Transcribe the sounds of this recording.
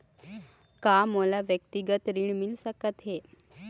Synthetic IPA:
kaməlaʋjəkt̪iɡət̪ɾiɳmilsəkət̪ɦe

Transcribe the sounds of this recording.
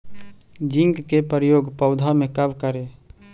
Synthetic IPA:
d͡ʒɪ̃ŋɡkepəɾjoːɡpəʊd̪ʱamẽkəbkəɾe

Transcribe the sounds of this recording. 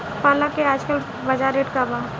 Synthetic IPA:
palakːeaːd͡ʒkəl | bɐd͡ʒaːɾeːʈkaba

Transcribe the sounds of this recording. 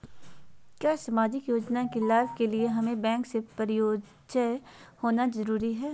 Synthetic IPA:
kjaːsɐmaːd͡ʒɪkjoːd͡ʒnakelaːbkelieɦɐmẽbɛ̃ːŋksepɐɾɪjoː | d͡ʒə | hoːnazɐɾuːɾiɦɛː

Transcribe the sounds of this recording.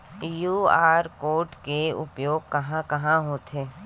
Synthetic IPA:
juːaːɾkoːɾʈkeʊ̰pjoːɡ̚kɐɦãkɐɦãɦoːt̪ʰeː

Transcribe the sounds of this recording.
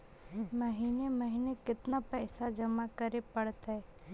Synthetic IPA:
məɦiːneməɦiːnekɪt̪napɛːsad͡ʒɐmakəɾepɐɽt̪ɦɛ

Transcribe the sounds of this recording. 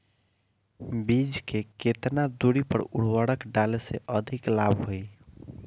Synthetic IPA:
bid͡ʒkeket̪nad̪uɽipə̰ɾuɽ̤waɽəkɖaleseʔəd̪ʱiklabʱɦoj

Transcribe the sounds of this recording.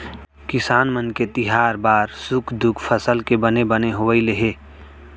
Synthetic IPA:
kɪsaːnmənket̪ɪɦaːɾbaːɾsʊkʰd̪ʊkʰpʰəsəlkebənebəneɦoʋəileɦeː

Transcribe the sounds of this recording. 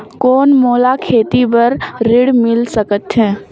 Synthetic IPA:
koːnmoːlakʰeːt̪ipɐɾːɪɽmɪlsəkət̪ɦɛ̃ː

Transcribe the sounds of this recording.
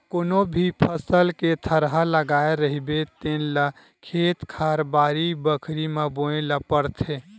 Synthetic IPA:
koːnobʱipʰəsəlket̪ʰəɾɦaləɡaːeɾəɦibet̪enla | kʰeːt̪kʰaɾbaːɾibəkʰɾimaboẽləpəɾt̪ʰe

